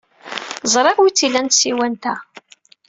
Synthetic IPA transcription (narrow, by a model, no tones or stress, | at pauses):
zˤɾˤɪʁwit͡sːilænt̪siwænt̪æ